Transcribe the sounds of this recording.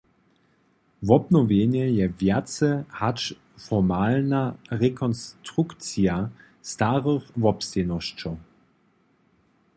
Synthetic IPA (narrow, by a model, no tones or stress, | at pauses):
vɔbnɔvjenjɛjɛvjat͡sɛhat͡ʃ | fɔmaːlnaʁɛkʰɔnstʁukt͡sja | staʁəxvɔpstɛnɔɕt͡ʃɔw